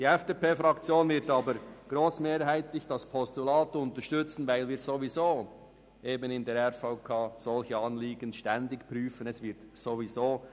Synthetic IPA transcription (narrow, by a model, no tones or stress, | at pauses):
d̥iːɛfd̥eːpeːfɾʁɑkt͡sjoːnvɪɐtɑːbəɾɡ̥ɾoːsmeːɾhaɪtlɪçd̥ɑspʰɔstulaːtʊntəʃtʏt͡sn̩vaɪlviːɾzovizoː | ʔeːbənɪndɛɾɛfaʊkʰaːzɔlçəɑnliːɡənʃtɛndɪkpʁyːfənɛsvɪɐtsovizoː